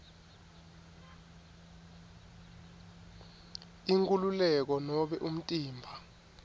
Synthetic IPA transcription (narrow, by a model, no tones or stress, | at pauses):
iŋkʼululɛk̬ɔnɔɓɛʔum̩tʼiːmbʱa